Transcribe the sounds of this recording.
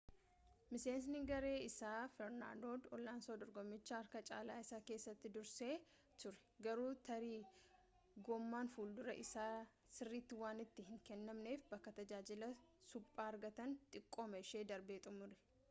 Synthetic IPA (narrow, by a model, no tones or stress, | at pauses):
mɪse̞ːns̬nɪɡɐɾe̞ːɪsaːfɛɾna̰ːd̪o̞ːd̪ɔlːaːnsoːd̪ɔɾɡɔmːɪt͡ʃːaːɐɾkɐt͡ʃʼa̰ːlaːɪsaːke̞ːsːɐt̪ːɪd̪ʊɾseː | t̪ʊɾɛ̥ɡɐɾuːt̪ʰɐɾiː | ɡɔmːaːnfuːld̪ʊɾɐ̰ʔɪsaː | sɪrːiːt̪ːɪwaːnɪt̪ːɪhɪŋkɛnːɐmne̞ːfbɐkːɐt̪ɐd͡ʒaːd͡ʒɪlɐsʊpʼːaːɐɾɡɐt̪ɐnt̪ʼɪkʼːoːmɐɪʃe̞ːd̪ɐɾbe̞ːt̪ʼʊmʊɾɛ̥